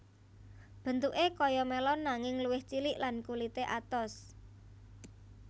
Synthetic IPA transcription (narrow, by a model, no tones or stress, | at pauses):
b̥ə̤nt̪uʔekɔjɔmelɔnːaŋɪŋluwɪht͡ʃilɪʔlankulit̪eʔat̪ɔs